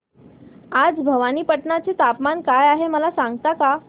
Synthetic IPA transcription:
ad͡zbʱəʋaniːpəʈɳat͡set̪apmankajaɦeməlasaŋɡt̪aka

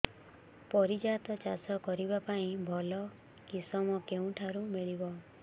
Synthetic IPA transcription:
pɔɾid͡ʒat̪ɔt͡ʃasɔkɔɾibapaĩbʱɔlɔ | kisɔmɔkeũʈʰaɾumiɭibɔ

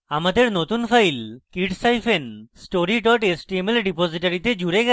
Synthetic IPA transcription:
amad̪eɾnot̪unpʰajlkiʈsajpʰensʈoɾiʈɔʈesʈiemelɖiposiʈaɾit̪ed͡ʒuɾeɡɛ

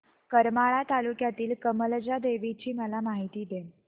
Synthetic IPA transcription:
kəɾmaɭat̪alukjat̪iːlkəməld͡ʑad̪eʋit͡ɕiːməlamaɦit̪iːd̪en

